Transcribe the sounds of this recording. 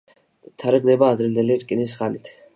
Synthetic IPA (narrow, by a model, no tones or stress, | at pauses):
t̪ʰaɾɛɡnɛbaːd̪ɾɛnd̪ɛliɾkʼinis̬χanit̪ʰ